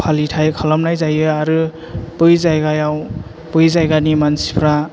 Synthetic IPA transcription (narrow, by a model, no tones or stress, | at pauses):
pʰalitʰajkʰalɔmnajzajɯaɾɯ | b̥ɯjzajɡajaw | bɯjzajɡanimansi̥pʰɾa